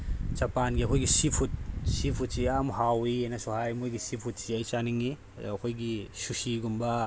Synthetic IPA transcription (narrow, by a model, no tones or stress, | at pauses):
t͡ʃɐpanɡiɐkʰojɡisipʰut̚sipʰut̚siamɦawienɐsuhajmojɡisipʰut̚siajt͡ʃaniŋi | ɐkʰojɡisusiɡumba